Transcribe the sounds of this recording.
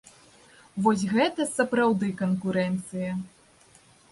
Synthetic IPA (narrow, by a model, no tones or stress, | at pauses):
vɔs̬ʲɣɛt̪ɐsɐpɾawd̪ɨkɐnkuɾɛnt̪sɨjɐ